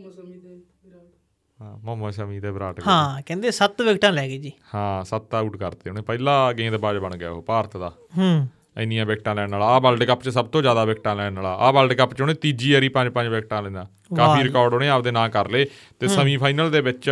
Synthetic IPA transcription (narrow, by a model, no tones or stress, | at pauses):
mõːmə̃ːsəmĩːt̪eːbɾaːʈɦãːkɛ̃ːnd̪eːsət̪ʋɪkʈãːlɛːɡeːd͡ʒiːhãːsət̪auːʈkəɾt̪eːɦoneːpɛːlaːɡẽːd̪baːd͡ʒbəɳɡja̰ːɦoːpaːɾət̪ʰd̪aː | ɦ | əɪnijãːbeːkʈãːlɛːɽnaːlaːbəlɖkəpt͡ʃsəb̚t̪õːd͡ʒjaːd̪aːʋɪkʈãːlɛːnnaːlaːʔaːbəlɖkəpt͡ʃonẽːt̪iːd͡ʒiːəɾiːpə̃ɲd͡ʒpə̃ɲd͡ʒʋekʈãːlɛ̃ːnãː | kaːpiːɾɪkɔːɾɖoːnẽːaːpd̪eːnãːkəɾleː | t̪eːsəmĩːpʰaːinəld̪eːbɪt͡ʃ